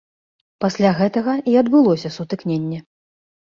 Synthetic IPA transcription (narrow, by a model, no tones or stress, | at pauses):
pasʲlʲaɣɛt̪ɐɣɐiɐd̪bɨlˠɔsʲɐsut̪ɨknʲenʲːɛ